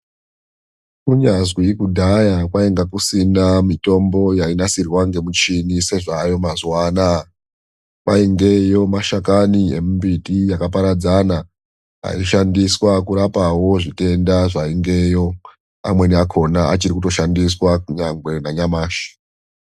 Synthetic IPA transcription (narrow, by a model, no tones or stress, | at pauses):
kuɲazwikudʱajakwaeŋɡakusinamito̞mbo̞jainasirwaŋɡe̞mut͡ʃinise̞ʐaːjo̞mazwaːna | kwaiŋɡe̞jo̞maʃakaniemumbitijakapaɾad͡zana | a̰ioʃandiswakuɾapawo̞ʐite̞ndaʐaiŋɡe̞jo̞ | a̰mwe̞niakʰo̞naat͡ʃiɾikuto̞ʃandiswakuɲaŋɡwe̞naɲamaːʃi̥